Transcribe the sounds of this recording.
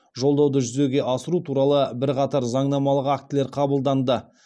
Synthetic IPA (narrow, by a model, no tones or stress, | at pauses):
ʒo̞lˠd̪ɑwd̪əʒʏze̞ɡʲe̞ʔɑsəɾut̪ʰuɾɑlˠəbɪɾqɑt̪ɑɾzɑɴnɑmɑlˠəqak̚t̪ɪleɾqʰɑbəlˠd̪ɑnd̪ə